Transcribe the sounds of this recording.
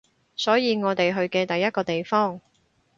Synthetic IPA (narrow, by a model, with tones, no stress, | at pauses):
sɔː˨˥jiː˨˧ŋɔː˨˧t̪e˨jɦɵ˧ɥkɛː˧t̪ɐ˨jɐ˥t̚kɔː˧t̪e˨jfɔː˥˩ŋ